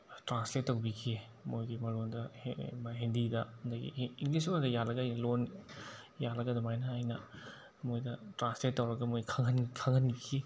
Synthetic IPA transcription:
tɾansletːɐwbikʰe | mojɡimɐɾondɐmɐɦendidɐɐndɐɡḭiŋɡlisodɐjalɐɡajlon | jalɐɡɐdɐmajnɐajnɐ | mojdɐtɾansletːɐwɾɐɡɐmojkʰɐŋɐnkʰɐŋɐnikʰe

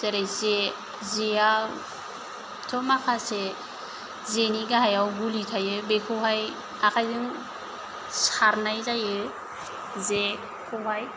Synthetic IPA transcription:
teɾeze | zeja | tʰɔmakʰase | zeniɡaɦajawɡulitʰajɯbekʰuɦaj | akʰajzɯŋ | saɾnajzajɯ | ze | kʰuɦaj

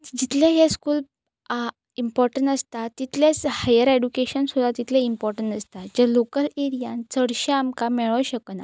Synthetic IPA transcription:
d͡ʑit̪ʰleɦeskuːl | impɔɾʈəɳʈast̪at̪it̪ʰlet͡shajəɾeɖukeɕənsud̪ʱat̪it̪ʰleimpɔɾʈəɳʈast̪ad͡ʑelokəleɾijãnt͡səɽɕəamkamɛɭəʋɕəkna̰

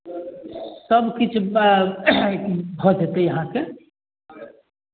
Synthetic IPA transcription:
səbkit͡ʃʰ | ekbʱɔt̪ɦet̪ejɐɦãke

